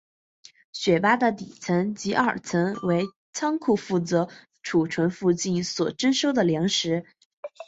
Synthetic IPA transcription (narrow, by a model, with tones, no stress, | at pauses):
ɕɥɛ˨˩pa˥d̪ə˨t̪i˨˩t͡sʰə˧˥nt͡ɕi˧˥ʔə̰˞˨˩t͡sʰə˧˥nwe˧˥ɪ | t͡sʰɑ˥ŋkʰu˥˩fu˥˩t͡sɤ˧˥ | ʈ͡ʂʰu˨˩ʈ͡ʂʰwə˧˥nfu˥˧t͡ɕi˥˩nswɔ˨˩ʈ͡ʂə˥nʂo˥ʊd̪ə˨ljɑ˧˥ŋʂɻ̩˧˥